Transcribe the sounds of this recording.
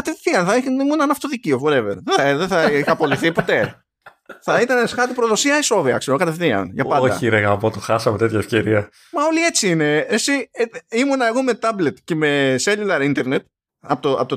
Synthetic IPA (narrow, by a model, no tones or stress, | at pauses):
kɐt̪eθiɐnθɐiimunɐnɐft̪oðiciovoɾeveɾððeθɐixɐpo̞liθipo̞t̪e̞ | θɐit̪ɐnesxɐɾt̪ipɾoðo̞siɐiso̞viɐ̰kse̞ɾokɐt̪efθiɐ̰nʝɐpɐnodɐ̰iɾeɣɐpot̪oxɐsɐmet̪et̪çɐefce̞ɾiɐ | mɐo̞lie̞t͡siine̞esiimunɐe̞ɣo̞me̞t̪ɐblet̪ce̞me̞selilɐɾint̪e̞ɾnet̪̚ | ɐpot̪oɐ̰pot̪o